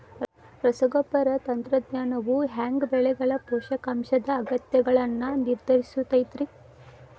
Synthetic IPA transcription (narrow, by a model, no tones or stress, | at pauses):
ɾɐsɐɡopːɐɾɐt̪ɐnt̪ɾɐd̪ɲaːnɐʋuɦaːŋɡbɛɭɛɡɐɭɐpɔːʃɐkɐmʃɐd̪ɐːɡɐt̪jɐɡɐɭɐnːɐniɾd̪ʱɐɾisut̪ɐjt̪ɾi